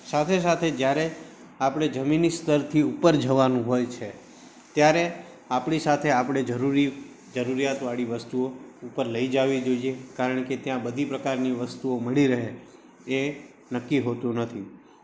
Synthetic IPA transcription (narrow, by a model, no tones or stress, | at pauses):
sat̪ʰes̬at̪ʰed͡ʒjaɾe | apɽ̃ed͡ʒəminist̪əɾt̪ʰiupəɾd͡ʒəʋanũɦojt͡ʃʰe | t̪jaɾe | apɳisat̪ʰeapɽ̃ed͡ʒəɾuɾi | d͡ʒəɾuɾijat̪ʋaɭiʋəst̪uoupəɾləid͡ʒaʋid͡ʒoiekaɾəɳket̪jãbəd̪ʱipɾəkaɾniʋəst̪uoməɭiɾəɦe | e | nəkːiɦot̪ũnət̪ʰi